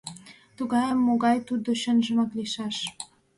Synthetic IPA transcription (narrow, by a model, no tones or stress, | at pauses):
t̪uɣɑjəmːoɣɑjt̪ud̪oɕə̆nʒə̆mɑkliʃɑʃ